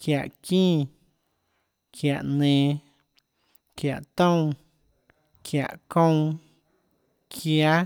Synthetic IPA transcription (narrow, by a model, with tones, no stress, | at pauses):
kja˨ʔkĩː˦˨ | kʰja˨ʔnẽː˨ | kja˨ʔt̪õ˦w̃ | kʰja̰˨ʔkõ˦˧w̃ | kʰja˦